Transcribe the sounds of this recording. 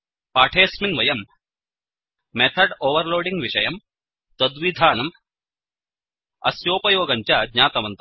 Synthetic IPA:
paːʈʰeːsminʋɐjɐm | et̪ʰɐɖoːʋɐɾloːɖiŋɡʋiʃɐjɐm | t̪ɐd̪ʋid̪ʱaːnɐm | ɐ̰sjoːpɐjoːɡɐɲt͡ʃɐd̪ɲaːt̪ɐʋɐnt̪ɐ

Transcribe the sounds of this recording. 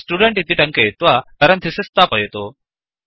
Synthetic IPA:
sʈuːɖeɳʈɦit̪iʈɐ̃ŋket̪ʋak̪ɐɾɐnt̪isest̪apɐjet̪o

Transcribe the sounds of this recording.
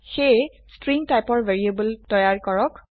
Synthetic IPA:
xej | stɹiŋtajpɔɹvʱeɹiebultɔjaɹkɔɹɔk

